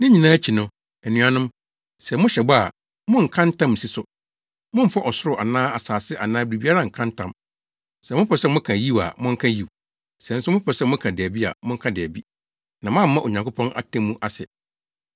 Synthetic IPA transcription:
nɪ̃˦ɲĩ˨nãː˦t͡ɕʰi˨nʊ̃˨ | ɛ˨nũ˨˦a˨nʊ̃˦m | sɛ˨mʊ̃˦ɕɛ˨ba˦a˨ | mʊ̃˦ŋ̩˨kʰã˦ntʰã˦m˨si˦sʊ˨ | mʊ̃˦m̩˦fa˦ʔɔ˨sʊ˦ɾʊ˨ʔa˨nãː˦a˨saː˨sɪ˦ʔa˨nãː˦bɾi˨bi˦a˦ɾa˦˨ŋ̩˨kʰã˦ntʰã̰˨m | sɛ˨mʊ̃˦pʰɔ˨sɛ˦mʊ̃˦kʰã˨ji˦˨wa̰˨mʊ̃˦ŋ̩˦kʰã˦ji˨w | sɛ˨n̩˦sʊ˦mʊ̃˦pʰɔ˨sɛ˦mʊ̃˦kʰã˨dɛ˨bi˦a̰˨mʊ̃˦ŋ̩˦kʰã˦dɛ˨æ˨bi˦ | nã˨mã˦m̩˦mã˦ʔo˨ɲã˨ŋkʰʊ˦pʰɔ̃˦nʔa̰˨tʰẽ˦mːũ˦ʔa˨sɛ̰˨

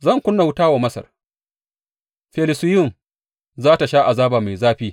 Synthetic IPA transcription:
zɐ˦˨ŋkʷʊ˦nːa˨wʊ˦taː˦wa˨mɐ˦sɐ̰˨r | ɸɛ˨lɪ˨sɪ˦jʊ˦˨m | zaː˦ta˨ʃaː˦ʔa˨zaː˦baː˨ma˨jzaː˦ɸiː˦

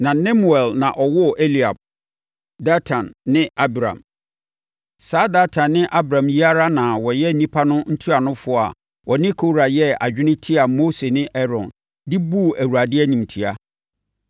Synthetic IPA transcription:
nã˨nɛ̃˦mu˨ɛ˨lnã˨ʔɔ˨wɔ˦˨ʔe˦li˨a̰˨b̚ | da˦tʰã˨nːɪ̃˦a˦bɾã̰˨m | saː˦da˦tʰã˨nːɪ̃˦ʔa˦bɾã˨mji˦a˦ɾa˦nã˨wɔ˨jɛ˦n̩˦nĩ˦pʰa˦nʊ̃˦n̩˦tʰi˦a˨nʊ̃˦fʊ˦˨a̰˨ | wʔɔ˨nɪ̃˦kʰo˨ɾa˨jɛ˦a̰˨d͡ʑᶣɪ˦nɪ̃˦tʰɪ˦a˨mo˦se˨nɪ̃˦ʔɛ˦ɾɔ̰̃˨n | dɪ˦bu˦˨æ˨wu˨ɾa˨dɪ˦ɛ˦ɲĩ˨mtʰi˨a˦

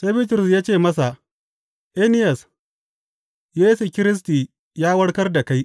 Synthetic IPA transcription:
sa˦bɪ˦t̬ɾʊ˨sjaː˦t͡ʃeː˦˨mɐ˦sa˨ | ʔe˦nɪ˦jɐ˨s | jeː˦su˨kʲɪ˦ɾɪ˦s̬tiː˨ | jaː˦wɐ˦ɽkɐ˦rda˨ka˦j

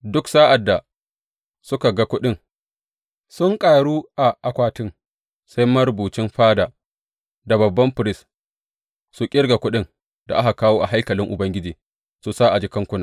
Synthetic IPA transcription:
dʊ˦ksa˦ʔa˨dːa˨ | sʊ˦ka˨ɡa˦kʷʊ˦ɗɪ˦ŋ | sʊ˦ŋkʼaː˨ɽuː˦ʔa˨ʔa˨kʷaː˦˨tɪ˦ŋ | sa˦jmɐ˦ɾʊ˨buː˨t͡ʃɪ˦mɸaː˦daː˨ | da˨bɐ˨bːɐ˦mɸɪ˨ɾɪ˦s | su˨kʲʼɪ˦ɾɡa˨kʷʊ˦ɗɪ˦ŋ | da̰˨ʔa˦ka˨kaː˦woː˦ʔa̰˨ɦa˦jkɐ˨lɪ˦ŋʔʊ˨bɐ˦ŋɡʲɪ˦d͡ʒiː˨ | su˨saː˦ʔa˨d͡ʒiː˦kɐ˦ŋkʷʊ˦naː˨

